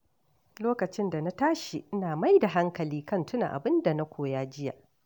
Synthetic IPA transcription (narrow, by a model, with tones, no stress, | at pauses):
loː˦kɐ˨t͡ʃɪ˦nda˨na˦taː˦ʃi˨ʔɪ˦naː˨ma˦jda˨ɦa˦ŋkɐ˨liː˦kɐ˦˨ntʊ˦na̰˨ʔa̰˨bɪ˦nda˨na˦kʷʰoː˨jaː˦d͡ʒɪ˦ja̰˨ʔ